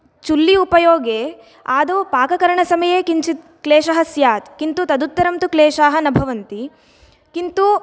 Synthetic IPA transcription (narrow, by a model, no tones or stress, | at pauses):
t͡ʃulːiupɐjoːɡeː | aːd̪oːpaːkɐkɐɾɐɳɐsɐmɐjeːkiɲt͡ʃit̪ | kleːʃɐɦɐsjaːt̪kint̪ut̪ɐd̪ut̪ːɐɾɐmt̪ukleːʃaːɦɐnɐbʱɐʋɐnt̪i | kint̪u